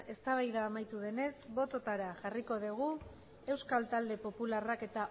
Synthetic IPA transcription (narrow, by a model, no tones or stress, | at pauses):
e̞st̪aβajðaːmajt̪uðe̞ne̞zβo̞t̪o̞t̪aɾaʝariko̞ðuɣ̞u | e̞wskalt̪ald̪e̞po̞pularake̞t̪a